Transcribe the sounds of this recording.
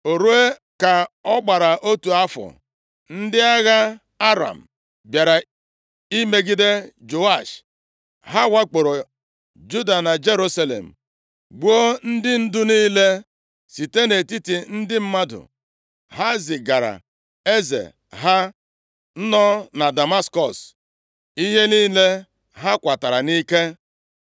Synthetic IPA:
o˨ɾu˦e˦ | ka˨ɔ˦ɡ͡ba˨ɾa˨ʔo˦tu˨a˦fɔ̰˨ | n̩˦dɪ˦a˦ɣa˦ | a˦ɾa̰˨m̩˨ | bja˨ɾa˨ | i˦me˦ɡi˦de˦d͡ʒo˨a˦˨ʃ | ɦa˦wa˦k͡po˨ɾo˨ | d͡ʒu˦da˨na˨d͡ʒe˦ɾu˦sa˦lḛ˨m̩˨ | ɡ͡bu˦o˦n̩˦dɪ˦n̩˦dʊ˦niː˦le˦ | si˨te˦ne˨ti˦ti˨n̩˦dɪ˦m̩˦ma˦dʊ̰˨ | ha˦zɪ˨ɡa˨ɾa̰˨ | e˦zḛ˨ | ɦa˦ | n̩˦nɔ˦na˨da˨ma˦skɔ˨s | i˦ɦe˦niː˦le˦ | ɦa˦kʷa˨ta˨ɾa˨ni˦ke˦

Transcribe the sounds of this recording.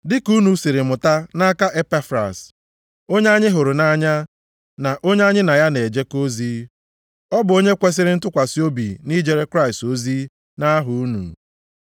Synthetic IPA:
dɪ˦ku˦nu˨si˨ɾɪ˨mʊ˨ta˦na˦ka˦ʔe˦pa˦fɾa̰˨s | o˦ɲe˦a˦ɲɪ˦ɦʊ˨ɾʊ˨na˦ɲa˦ | na˨ʔo˦ɲe˦a˦ɲɪ˦na˨ja˦ne˨d͡ʒe˦ko˦ziː˦ | ɔ˦bʊ˨o˦ɲe˦kʷe˦s̬ɪ˦ɾɪ˦n̩˦tʊ˦kʷa˨sɪ˦o˦bḭ˨ni˦d͡ʒe˨ɾe˦kɾa˦ɪ˨sto˦zi˦ | na˦ɦʊ˨u˦nṵ˨

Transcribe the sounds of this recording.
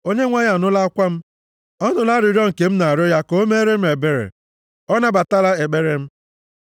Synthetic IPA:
o˦ɲe˦ŋʷa˦ja˨nʊ˦la˦a˦kʷa˦m̩˦ | ɔ˦nʊ˨la˦ɾɪ˨ɾɔ˦ŋ̩˨ke˨m̩˦na˨ɾʊ˦ja˦ko˦o˦me˦ɾe˦m̩˦e˨be˨ɾḛ˨ | ɔ˦na˦ba˨ta˦la˦e˨ɡ͡be˦ɾe˨m̩˦

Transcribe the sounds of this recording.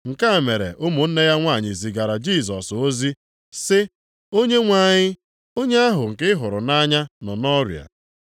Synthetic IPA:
ŋ̩˨ka˦˨me˨ɾḛ˨ʔʊ˦mʊ˨n̩˦ne˦ja˦ŋʷa˦˨ɲɪ˨zi˨ɡa˨ɾa˨d͡ʒi˦˨s̬ɔ˨so˦zi˦ | sɪ˦ | o˦ɲe˦ŋʷa˨ɲɪ˦ | o˦ɲe˦a˦ɦʊ˨ŋ̩˨kɪ˦ɦʊ˨ɾʊ˨na˦ɲa˦nɔ˨nɔ˦ɾja̰˨

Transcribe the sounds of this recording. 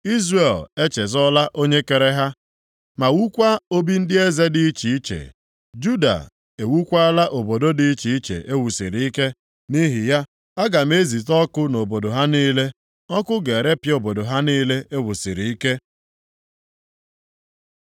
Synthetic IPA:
i˦zre˨le˦t͡ʃe˨zɔ˦la˦ʔo˦ɲe˦ke˨ɾe˦ɦa˦ | ma˨wu˦kʷa˦o˦bi˦n̩˦dɪ˦e˦ze˦di˨i˦t͡ʃi˨i˦t͡ʃḛ˨ | d͡ʒu˦da̰˨ | e˨wu˦kʷa˦la˦ʔo˨bo˨do˦di˨i˦t͡ʃi˨i˦t͡ʃḛ˨ʔe˦wu˨sḭ˨ɾi˨i˦ke˦ | ni˦ɦɪ˨ja˦ | a˦ɡa˨m̩˦e˦zi˨tɔ˦kʊ˦no˨bo˨do˨ɦa˦niː˦le˦ | ɔ˦kʊ˦ɡe˨ɾe˦pjo˨bo˨do˨ɦa˦niː˦le˦ʔe˦wu˨si˨ɾi˨i˦ke˦

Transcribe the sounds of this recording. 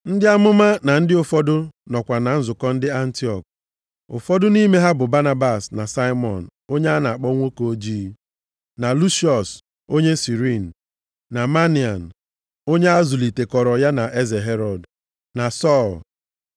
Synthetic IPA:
n̩˦dɪ˦a˦mʊ˦ma˦na˨n̩˦dɪ˦ʊ˨fɔ˦dʊ˦nɔ˨kʷa˨na˨n̩˦zʊ˨kɔ˦n̩˦dɪ˦a˦n̩˦ti˦ɔ˨k̚ | ʊ̰˨fɔ˦dʊ˦ni˦me˦ɦa˦bʊ˨ba˦na˦ba˨sna˨sa˦ɪ˦mɔ˨n̩˨o˦ɲe˦a˦na˨a˨k͡pɔ˦ŋʷo˦ko˨o˦d͡ʒiː˦ | na˨lu˦ʃi˦ɔ˨s | o˦ɲe˦si˨ɾi˦n̩˨ | na˨ma˦ni˨a˨n̩˨ | o˦ɲe˦a˦zʊ˨li˨te˨kɔ˨ɾɔ˨ja˦na˨ʔe˦ze˨ɦe˦ɾɔ˨d | na˨sɔ˦˨l

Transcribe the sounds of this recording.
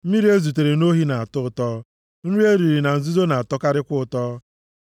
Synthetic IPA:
m̩˦mi˦ɾi˦e˦zu˨t̬e˨ɾe˨no˦ɦi˦na˨a˨tʊ˦ʊ˨tɔ˦ | n̩˦ɾi˦e˦ɾi˨ɾi˨na˨n̩˨zu˦zo˦na˨a˨tɔ˦ka˦ɾɪ˦kʷʊ˦ʊ˨tɔː˦

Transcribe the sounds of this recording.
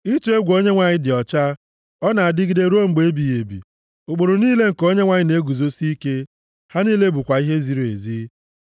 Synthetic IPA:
i˦tu˨˦e˦ɡʷo˦ɲe˦ŋʷa˨ɲɪ˦dɪ˨ɔ˨t͡ʃa˦ | ɔ˦na˨a˨dɪ˦ɡi˨de˦ɾu˦o˦ŋ͡m̩˨ɡ͡be˨˦bi˨je˨bḭ˨ | ʊ˨ɡ͡bo˨ɾo˨niː˦le˦ŋ̩˨ko˦ɲe˦ŋʷa˨ɲɪ˦ne˦ɡu˨zo˦si˦i˦ke˦ | ha˦ni˦le˦bu˨kʷa˨i˦ɦe˦zi˨ɾe˨zi˦

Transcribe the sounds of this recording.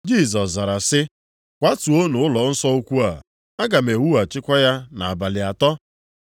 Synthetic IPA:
d͡ʒi˦˨sɔ˨sza˨ɾa˨sɪ˦ | kʷa˦tu˨o˦nʊ˨ʊ˦lɔ˨n̩˦sɔ˦o˦kʷu˦a˨ | a˦ɡa˨me˨wu˦a˨t͡ʃɪ˦kʷɔ˦ja˦na˨a˨ba˨lɪ˨a˨tɔ˦

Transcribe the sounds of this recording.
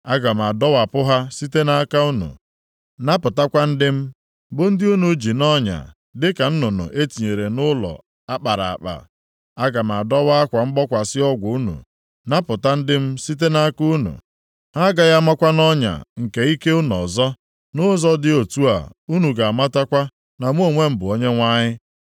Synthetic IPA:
a˦ɡa˨m̩˨a˨dɔ˦wa˨pʊ˦ɦa˦si˦te˦na˦ka˦u˦nṵ˨ | na˦pʊ˨ta˦kʷa˦n̩˦dɪ˦m̩˦ | bʊ˦n̩˦dɪ˦u˦nu˨˦d͡ʒi˨nɔ˦ɲa̰˨ | dɪ˦ka˨n̩˦nʊ˨nʊ̰˨ʔe˦ti˨ɲe˨ɾe˨nʊ˦lɔ̰˨ | a˦k͡pa˨ɾa˨a̰˨k͡pa̰˨ | a˦ɡa˨m̩˨a˨dɔ˦wa˦a˦kʷa˨ŋ͡m̩˦ɡ͡bɔ˦kʷa˨sɪ˦ɔ˦ɡʷu˨u˦nṵ˨ | na˦pʊ˨ta˦n̩˦dɪ˦m̩˦si˦t̬e˦na˦ku˦nṵ˨ | ha˦ɡa˨ja˦ma˦kʷa˦nɔ˦ɲa̰˨ŋ̩˨ke˨˦i˦ke˦u˦n˨ɔ̰˨zɔ˦ | nʊ˦zɔ˦dɪ˦o˨tu˦a̰˨u˦nu˨ɡa˨a˨ma˦ta˦kʷa˦ | na˨m˦o˨ŋʷe˦m̩˦bʊ˨o˦ɲe˦ŋʷa˦ɲɪ˦

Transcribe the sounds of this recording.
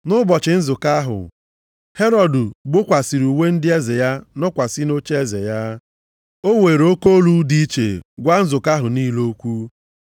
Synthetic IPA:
nʊ˦bɔ˨t͡ʃɪ˨n̩˦zʊ˨ka˦ɦʊ̰˨ | he˦ɾɔ˨dʊ˨ɡ͡bʊ˦kʷa˨si˨ɾu˨we˦n̩˦dɪ˦e˦ze˨ja˦nɔ˦kʷa˨sɪ˦no˦t͡ʃe˦ze˨ja˦ | o˦we˨ɾo˦ko˦lu˦di˦t͡ʃḛ˨ɡʷa˦n̩˦zʊ˨ka˦ɦʊ˨niː˦lo˦kʷu˦

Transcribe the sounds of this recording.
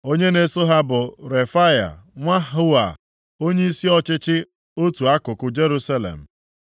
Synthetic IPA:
o˦ɲe˦ne˨so˦ɦa˦bʊ˨ɾe˨fa˦ja̰˨ŋʷa˦ɦʊ˦a̰˨ | o˦ɲe˦i˦si˦ɔ˦t͡ʃɪ˦t͡ʃɪ˦ | o˦tu˨a˦kʊ˨kʊ˦d͡ʒe˦ɾu˦sa˦lḛ˨m̩˨

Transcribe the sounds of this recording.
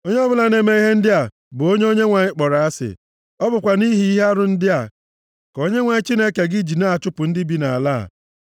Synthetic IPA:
o˦ɲe˦ɔ˦bʊ˦la˨ne˨me˦i˦ɦe˦n̩˦dɪ˦a˨ | bʊ˨o˦ɲe˦o˦ɲe˦ŋʷa˨ɲɪ˦k͡pɔ˨ɾa˨a˦sɪ̰˨ | ɔ˦bʊ˨kʷa˨ni˦ɦi˨i˦ɦa˦ɾʊ˨n̩˦dɪ˦a˨ | ko˦ɲe˦ŋʷa˨ɲɪ˦t͡ʃi˦ne˦ke˨ɡɪ˦d͡ʒi˨na˦a˨t͡ʃʊ˦pʊ˨n̩˦dɪ˦bi˦na˨a̰˨la̰˦˨

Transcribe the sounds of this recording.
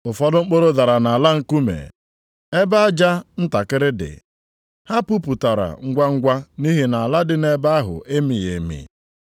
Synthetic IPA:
ʊ˨fɔ˦dʊ˦ŋ͡m̩˦k͡po˦ɾo˦da˨ɾa˨na˨a˨la˦ŋ̩˦ku˦mḛ˨ | e˦ba˦a˦d͡ʒa˦n̩˦ta˨kɪ˦ɾɪ˦dɪ̰˨ | ha˦pu˦pu˨ta˨ɾa̰˨ŋ̩˦ɡʷa˦ŋ̩˦ɡʷa˦ni˦ɦi˨na˨a˨la˦dɪ˦ne˦ba˦a˦ɦʊ̰˨ʔe˦mi˨je˨mḭ˨

